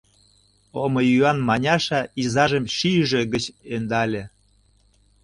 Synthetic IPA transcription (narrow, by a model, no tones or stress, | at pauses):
omɤjyɑnmɑnʲɑʃɑizɑʒə̆mʃiʒĕɣət͡ɕend̪ɑlʲĕ